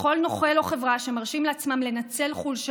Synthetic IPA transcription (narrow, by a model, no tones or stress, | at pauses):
χo̞lno̞χelo̞χe̞vʁaʃemaʁʃimleat͡smamle̞nat͡se̞lχulʃ